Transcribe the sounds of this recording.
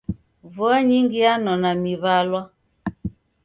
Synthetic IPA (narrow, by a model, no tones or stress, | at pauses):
vɔaɲiŋɡianɔnamiβalwa